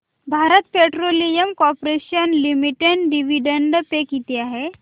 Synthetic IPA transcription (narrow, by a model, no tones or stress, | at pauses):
bʱaɾət̪peʈɾolijəmkɔɾpɾeɕənlimiʈeɳɖɖiʋiɖəɳɖpekit̪iaɦe